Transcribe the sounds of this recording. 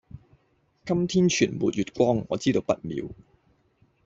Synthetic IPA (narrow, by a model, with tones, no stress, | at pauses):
kɐ˥mt̪ʰiː˥nt͡ʃʰyː˨˩nmṵː˨t̚jyː˨t̚kʷɔː˥ŋːɔ̰ː˨˧t͡siː˥t̪o˨˧wpɐ˥t̚mḭː˨˧w